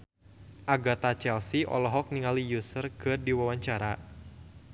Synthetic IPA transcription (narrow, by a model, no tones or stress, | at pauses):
ʔaɡat̪at͡ʃɛlsiʔɔ̰lɔɦɔk̚niŋalijusərkɨrdiwawaɲt͡ʃaɾa